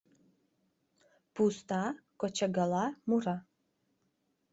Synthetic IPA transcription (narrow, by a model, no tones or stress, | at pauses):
pʰust̪ʰakʷɔt͡ʃʰaɡalamura